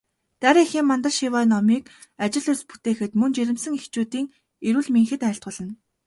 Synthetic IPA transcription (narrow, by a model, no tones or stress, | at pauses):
t̪æɾʲiːxiːmːant̪ə̆ɮʃiwaːnɔmiːk | at͡ɕɪ̆ɮʊspu̥t̪eːxɘ̆t̪mɵnt͡ɕeɾʲɪ̆msɘ̆ŋext͡ɕuːt̪iːŋ | eɾuːɮmeŋxɘ̆t̪æːɬt̪̚ʁʊ̆ɮə̆n